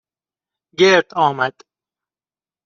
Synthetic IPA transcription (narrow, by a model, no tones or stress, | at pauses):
ɡeɾd̪̥ɒːmæd̪̥